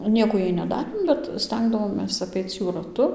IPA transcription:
ˈnʲiɛkoː ˈjɛɪ nʲɛˈdɑːrʲeːm bʲɛt ˈsʲtʲɛŋɡdɐʋoːmʲeːs ɐˈpʲɛɪt͡s ˈjuː rɐˈtʊ

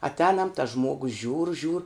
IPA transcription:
ɐtʲˈɛːnɐm tɐs ˈʒmuɔɡʊs ʒʲuːr ʒʲuːr

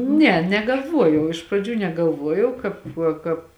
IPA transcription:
ˈnʲɛ nʲɛɡɐlˠˈʋuɔjɛʊ ɪʃ prɐˈd͡ʒʲuː nʲɛɡɐlˠˈʋuɔjɛʊ ˈkɑːp ˈkɑːp

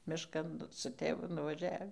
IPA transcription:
mʲɪʃˈkɐn sʊ ˈtʲeːʋʊ nʊʋɐˈʒʲæːʋʲiː

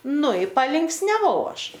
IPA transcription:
ˈnʊ ɪ pɐlʲɪŋksʲnʲɛˈʋɐʊ ˈɐʃ

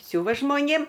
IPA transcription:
ˈsʲʊʋɐ ʒmoːˈnʲeːm

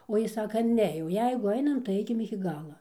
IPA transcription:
oː ˈjɪs ˈsɑːkɐ ˈnʲɛ jɛʊ ˈjɛɪɡʊ ˈɐɪnɐm tɐɪ ˈɐɪkʲɪm ɪkʲɪ ˈɡɑːlˠɐ

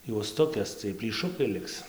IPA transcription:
juɔsˈtʊkʲeːs t͡sʲiɛj pʲlʲiːˈʃʊkɐɪ ˈlʲɪks

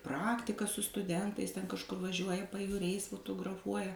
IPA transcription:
ˈprɑːktʲɪkɑː sʊ stʊˈdʲɛntɐɪs tʲɛn kɐʃˈkʊr ʋɐˈʒʲuɔjɛ pɐjuːˈrʲɛɪs fʊtʊɡrɐˈfuɔjɛ

